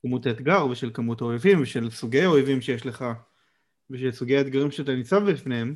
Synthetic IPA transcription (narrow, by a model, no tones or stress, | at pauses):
kamut̪aet̪ɡaʁve̞ʃelkamutaoevimveʃe̞lsuɡejaoevimʃejeʃle̞χa | veʃesuɡejaet̪ɡaʁimʃeat̬anit͡savbifnehem